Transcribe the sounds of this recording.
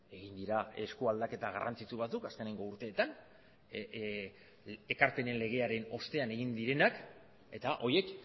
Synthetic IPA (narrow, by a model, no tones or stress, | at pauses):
e̞ɣind̪iɾae̞skuald̪ake̞t̪aɣ̞a̰rʔa̰nt͡sit͡suβ̞at͡sukaske̞niŋɡo̞uɾt̪e̞ːt̪an | ekaɾpe̞ne̞nle̞ɣ̞e̞aɾe̞no̞st̪e̞ane̞ɣ̞ind̪iɾe̞nak | e̞t̪aʔo̞je̞k